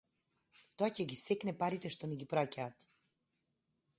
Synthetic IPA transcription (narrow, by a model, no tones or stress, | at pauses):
t̪ɔacɛɡisɛknɛpaɾit̪ɛʃt̪ɔnɛɡipɾacaːt̪